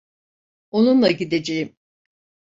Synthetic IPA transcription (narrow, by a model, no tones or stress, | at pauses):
o̞nunlˠaɟid̪ed͡ʒejim